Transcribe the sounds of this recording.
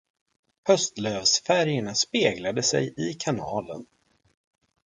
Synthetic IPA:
hœst̪løːvsfæɾjəɳaspeːɡlad̪əsɛ̰jɪkʰanɑːlə̰n

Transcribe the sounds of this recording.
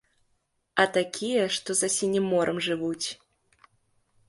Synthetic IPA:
ɐt̪akʲʰijɛʂt̪ɔzɐsʲinʲimːɔɾʔɐmʐɨvut͡sʲ

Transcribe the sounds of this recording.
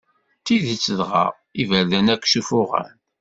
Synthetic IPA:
t̪iðit͡sːəðʁɑ̰ | ivæɾðænækʷːʃufʊʁæ̰n

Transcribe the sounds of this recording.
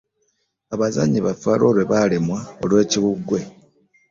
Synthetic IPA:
aβazaɲiβafaːlo̞ːlwe̞βalemwao̰lwe̞ːciβuɡwe̞

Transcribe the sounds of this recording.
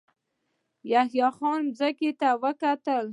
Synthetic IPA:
jahjɑxɑnmzəket̪awəkat̪əl

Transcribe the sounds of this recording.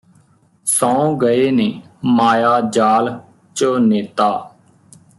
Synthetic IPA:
sãːõːɡəeːneːmaːjaːd͡ʒaːl | t͡ʃəneːt̪aː

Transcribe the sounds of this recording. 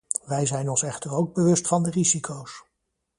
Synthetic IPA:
ʋɛjzɛjnɔnsɛχtəɹowɡ̚bəʋɵstfɑndərizikʰows

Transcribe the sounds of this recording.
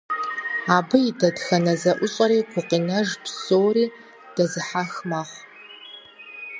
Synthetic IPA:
aːbɨjidɐdxɐnɐzɐʔʷʊɕʼɐɾiːɡʷʊqinɐʒpsoːɾiː | d̥ɐzɨħaxmɐχʷ

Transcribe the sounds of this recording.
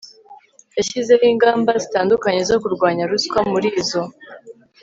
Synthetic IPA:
jaɕize̞jiːŋɡaːmbazitaːndukaɲe̞zo̞kuɾɡwaːɲaɾuskwamuɾiːzo̞

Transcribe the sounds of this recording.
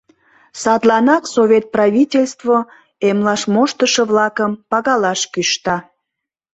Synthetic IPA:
sɑt̪lɑnɑksovʲet̪̚prɑvitʲelʲst̪vo | emlɑʃmoʃt̪əʃəβlɑkəmpɑɣɑlɑʃkyʃt̪ɑ

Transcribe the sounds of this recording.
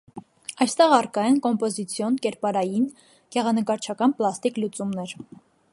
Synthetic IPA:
ɑjst̪ɛʁɑrkɑjɛnkɔmpɔzit͡sʰjɔnkɛɾpɑɾɑjin | ɡ̥ɛʁɑnəkɑɾt͡ʃʰɑkɑnplɑst̪iklut͡sumnɛɾ

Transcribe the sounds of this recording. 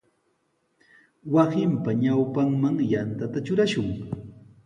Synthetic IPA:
wɑsɪmpaɲawpaŋmaŋjant̪at̪at͡ʃʊɾaʃʊŋ

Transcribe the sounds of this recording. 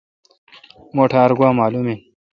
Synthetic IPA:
moːʈʰaːɾɡwaːmaːlumeːn

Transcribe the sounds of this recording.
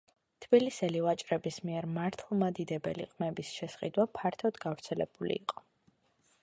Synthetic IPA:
t̪ʰb̥ilisɛlivat͡ʃʼɾɛbismiɛɾmaɾt̪ʰlˠmad̪id̪ɛbɛ̰lḭqʼmɛbisʃɛsχḭd̪wapʰaɾt̪ʰɔd̪ɡavɾt̪sʰɛlɛ̰b̥ulḭːqʼɔ̥

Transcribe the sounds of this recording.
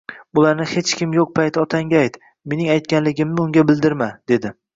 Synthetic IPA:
ʊlaɾnɪhe̞t͡ʃkʲɪmjoq̚pʰajt̪ʰɒt̪ʰaŋʲaajt̪ | me̞nɪŋajt̪̚kʲanlɪɡʲɪmnɪʊŋɡʲabɪld̪ɪɾmad̪̥e̞d̪ɪ

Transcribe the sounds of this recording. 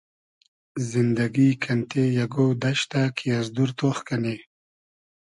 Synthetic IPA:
zɪnd̪aɡikʰant̪ʰejaɡod̪aʃt̪akʰijazd̪uɾt̪oxkane

